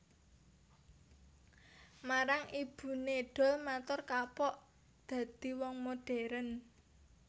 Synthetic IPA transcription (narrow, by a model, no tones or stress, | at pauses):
maɾaŋʔib̥ṳneɖ̥ɔ̤lmat̪ʊrkapɔʔ | d̪̥ä̤d̪̥i̤wɔŋmoɖ̥ɛ̤ɾən